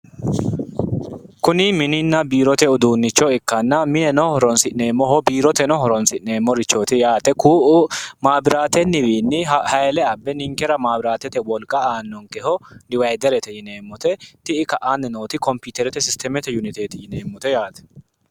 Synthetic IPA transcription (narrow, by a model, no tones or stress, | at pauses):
kʊnɪmɪnɪnːɐbiːɾɔt̪ɛʊd̪uːnːɪt͡ʃːɔɛkːɐnːɐmɪnɛnɔhɔɾɔnsɪʔneːmːɔɦɔbiːɾɔt̪ɛnɔhɔɾɔnsɪʔneːmːɔɾɪt͡ʃːoːt̪ɪjaːt̪ɛkuːʔmaːbɪɾaːt̪ɛnːɪwiːnːɪhɐjɛlɛɐbːɛnɪŋkɛɾɐmaːbɪɾaːt̪ɛt̪ɛwɔlkʼːɐaːnːɔŋkɛhɔdɪwɐjd̪ɛɾɛt̪ɛjɪneːmːɔt̪ɛt̪ɪɪkɐʔaːnːɪnoːt̪ɪkɔmpiːt̪ɛɾɛt̪ɛsɪst̪ɛmɛt̪ɛjunɪt̪eːt̪ɪjɪneːmːɔt̪ɛjaːt̪ɛ̥